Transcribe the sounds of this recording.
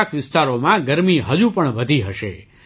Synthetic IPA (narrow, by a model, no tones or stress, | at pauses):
kʰʋɪst̪aɾomãɡəɾmiɦəd͡ʒupəɳʋəd̪ʱiɦəʃḛ